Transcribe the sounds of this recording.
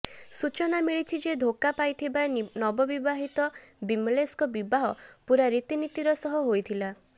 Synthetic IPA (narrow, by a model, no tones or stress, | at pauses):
sut͡ʃɔnamiɭit͡ʃʰid͡ʒed̪ʱokapajt̪ʰibanɔbɔbibaɦit̪ɔbimleskɔbibaɦɔpuɾaɾit̪init̪iɾɔsɔɦɔɦojt̪ʰila